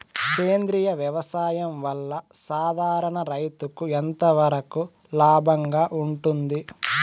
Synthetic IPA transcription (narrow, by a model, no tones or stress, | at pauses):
keːnd̪ɾijɐʋjɐʋɐsaːjɐmʋɐlːɐsaːd̪ʱaːɾɐɳɐɾɐjt̪ukuent̪ɐʋɐɾɐku | laːbʱɐŋɡaːʔuɳʈund̪i